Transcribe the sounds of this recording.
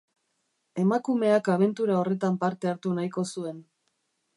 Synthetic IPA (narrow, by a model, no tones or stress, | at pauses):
e̞makume̞akaβ̞e̞nt̪uɾao̞re̞t̪ampaɾt̪eaɾt̪unajko̞sue̞n